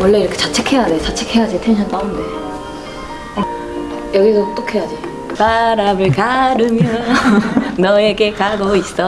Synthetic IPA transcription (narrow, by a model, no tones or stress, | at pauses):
wʌɭːe̞iɾʌkʰet͡ɕat͡ɕʰekʰe̞janet͡ɕat͡ɕʰekʰe̞jad͡ʑitʰenɕʰʌnt͈aɯnde̞ | jʌɡisʰʌt͈okʰejad͡ʑi | sʰaɾamɯɭkaɾɯmjʌ | nʌe̞ɡe̞kaɡois͈ʌ